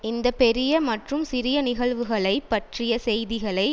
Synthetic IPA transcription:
ɪnd̪ɐpɛɾɪjɐmɐʈrɯmsɪɾɪjɐnɪɣɐɭʋɯɣɐɭɐɪpːɐʈrɪjɐsɛjðɪɣɐɭɐɪ

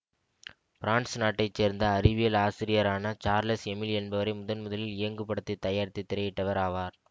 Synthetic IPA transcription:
fɪɾaːɳʈsnaːʈːɐɪt͡ʃːeːɾnd̪ɐːɾɪʋɪjɐlaːsɪɾɪjɐɾaːnɐt͡ʃaːɾlɐsɛmɪlɛnbɐʋɐɾɐɪmʊðɐnmʊðɐlɪlɪjɐŋɡɯpːɐɽɯt̪ːit̪ːɐjaːɾɪt̪ːit̪ːɪɾɐjɪʈːɐʋɐɾaːʋaːɾ

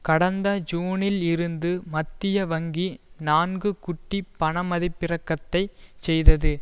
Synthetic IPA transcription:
kɐɽɐnd̪ɐd͡ʒuːnɪlɪɾɯnd̪ɯmɐt̪ːɪjɐʋɐŋɡinaːnɡɯkʊʈːipːɐɳɐmɐðɪpːɪrɐkːɐt̪ːɐɪt͡ʃɛjðɐðɯ

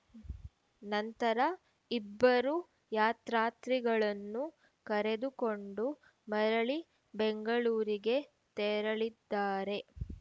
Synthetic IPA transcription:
nɐnt̪ɐɾɐ | ibːɐɾu | jaːt̪ɾaːt̪ɾiɡɐɭɐnːu | kɐɾe̞d̪uko̞ɳɖu | mɐɾɐɭi | beŋɡɐɭuːɾiɡe̞ | t̪ɛːɾɐɭid̪ːaːɾe̞

